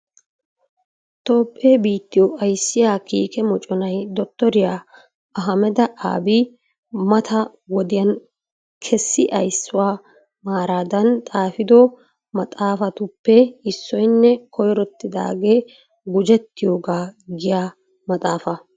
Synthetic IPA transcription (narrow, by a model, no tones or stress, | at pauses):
t̪ʼoːpʼːeːbiːt̪ːɪjɔɐjsːɪjaːkiːkɛmɔt͡ʃʼɔnɐjd̪ɔt̪ːɔɾɪjaː | ɐɦɐmɛd̪ɐʔa̰ːbi | mɐt̪ʰɐ | wɔd̪ɪjɐn | kʰɛsːɪʔɐjsːʊwaː | maːɾaːd̪ɐnt̪ʼaːfɪd̪ɔ | mɐt̪ʼaːfɐt̪ʊpːɛɪsːɔjnːɛkʰɔjɾɔt̪ːɪd̪a̰ːɡeː | ɡʊd͡ʒɛt̪ːɪjoːɡaːɡɪjaː | mɐt̪ʼaːfɐ